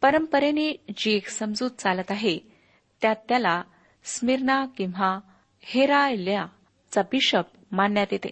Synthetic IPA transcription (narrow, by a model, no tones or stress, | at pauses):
pəɾəmpəɾenid͡ʑieksəmd͡zuːt̪̚t͡salət̪aɦe | t̪jat̪ːjala | smiɾɳakĩw̃ʋa | heɾajlja | t͡sabiɕəp̚manjat̪jet̪ḛ